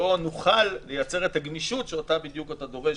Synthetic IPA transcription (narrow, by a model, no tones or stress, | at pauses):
onuχalːe̞jat͡se̞ʁet̪aɡmiʃutʃeotabid̪jukatad̪o̞ʁe̞